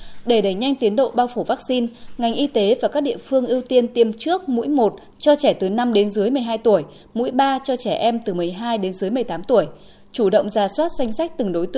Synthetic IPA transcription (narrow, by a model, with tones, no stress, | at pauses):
ɗe˧˩ɗə˧˩jɲa˧jŋ̟t̪i˨˦ənɗo̰˧˨ɓaː˧wfo˧˩vaː˦˥k̚si˧nŋa˨˩jŋ̟ʔi˧t̪e˨˦vaː˨˩kaː˦˥k̚ɗḭ˧˨ə˨fɨ˧əŋʔi˧əwt̪i˧ənt̪i˧˩əmt͡ɕɨ˦˥ək̚mṵ˧˥jmo˨˩t̚ | t͡ɕɔ˧t͡ɕɛ˧˩t̪ɨ˨˩na˧mɗe˨˦nzɨ˨˦jmɨ˨˩əjɦaː˧jt̪u˧˩əj | mṵ˧˥jɓaː˧t͡ɕɔ˧t͡ɕɛ˧˩ʔɛ˧mt̪ɨ˨˩mɨ˨˩əjɦaː˧jɗe˨˦nzɨ˨˦jm˨˩əjt̪aː˨˦mt̪u˧˩əj | t͡ɕu˧˩ɗə̰˧˨wŋ͡mzaː˨˩swaː˦˥t̚za˧jŋ̟sa˦˥k̟̚t̪ɨ˨˩ŋɗo˨˦jt̪ɨ̰˧˨